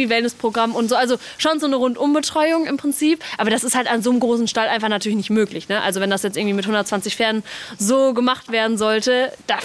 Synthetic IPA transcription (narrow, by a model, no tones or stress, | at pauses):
viːvɛlnəspʁ̥oɡʁamʊntz̥oːʔalzo | ʃoːnzoːnəʁʊntʔʊmbətʁ̥ɔʏʊŋɪmpʁ̥ɪnt͡siːpʔaːbɐdasɪsthaltanzoːnmɡʁoːsn̩ʃtalʔaɪnfaχnatʰyːɐlɪçnɪçtmøːklɪçnəʔa̰lzovɛndasjɛt͡sʔɪɐɡŋtv̥iːmɪthʊndɐt̚t͡sv̥ant͡sɪçfɛɐnnzoːɡəmaχtv̥eːɐdn̩zɔltəd̥a